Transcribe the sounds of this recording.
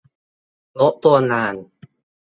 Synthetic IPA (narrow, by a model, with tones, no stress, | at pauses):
lo˦˥ʔt̪u˧ɐnaː˧˩n